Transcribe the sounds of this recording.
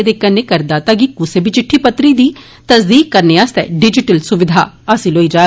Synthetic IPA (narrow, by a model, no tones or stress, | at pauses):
ed̪ekənːeːkəɾd̪aːt̪aɡikʊsebit͡ʃɪʈʰːiːpət̪ɾiːd̪iː | t̪əsd̪iːkːəɾneːaːst̪ɛ̰ːɖɪd͡ʒɪʈəlsʊʋɪd̪ʱa̰ː | asĩːloːiːd͡ʒaː